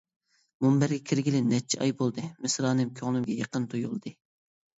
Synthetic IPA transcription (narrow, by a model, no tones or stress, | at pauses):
mumbæɾɡʲɛkʲʰiɾɡʲilɪnːɛt͡ʃʰɛʔɑjbolˠd̪ɨmɪsɾɑːnɨmkʲʰøŋlˠɨmɡʲɛjɑqənt̪ʰojulˠd̪ɨ